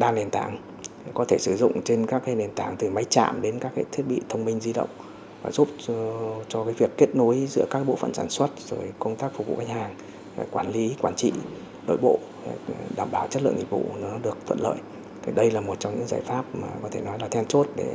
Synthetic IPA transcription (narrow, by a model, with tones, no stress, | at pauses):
ɗaː˧ne˨˩nt̪a̰ː˨˧˦ŋ | kɔ˨˦t̪ʰe˧˩sɨ˧˩zʊ̰˧˨ŋ͡mt͡ɕe˧nkaː˦˥k̚ːaː˨˦ne˨˩nt̪aː˨˩ŋt̪ɨ˨˩ma˨˦jt͡ɕa̰ː˧˨mɗe˨˦nkaː˦˥kːaː˨˦jt̪ʰi˦˥ət̚ɓḭ˧˨t̪ʰə˧wŋ͡mmï˧ŋ̟zi˧ɗə̰˧˨wŋ͡m | vaː˨˩zu˦˥p̚t͡ɕɔ˧kaː˨˦jvi˨˩əkːe˦˥t̚no˨˦jzɨ̰˧˥əkaː˦˥k̚ɓo̰˧˨fə̰˧˩nsaː˧˩nswə˦˥t̚zo˨˩jkə˧wŋ͡mt̪aː˦˥k̚fʊ˨˩vṵ˧˨ka˦jŋ̟haː˨˩ŋ˨ | kwaː˧˩nli˨˦kwaː˧˩nt͡ɕḭ˧˨ | ɗo̰˧˨jɓo̰˧˨˩ | ɗaː˧˩mɓaː˧˩wt͡ɕə˦˥t̚lɨ̰˧˨əŋɲḭ˧˩t̚vṵ˧˨nɔ˨˦ɗɨ˨˩ək̚t̪ʰwə̰˧˨nlə̰ː˧˨j | t̪ʰi˨˩ɗə˧jlaː˨˩mo˨˩t̚t͡ɕɔ˧ŋ͡mɲɨ̰˧˥ŋzaː˨˩jfaː˦˥p̚maː˨˩kɔ˨˦t̪ʰe˧˩nɔ˨˦jlaː˨˩t̪ʰɛ˧nt͡ɕo˦˥t̚ɗe˧˩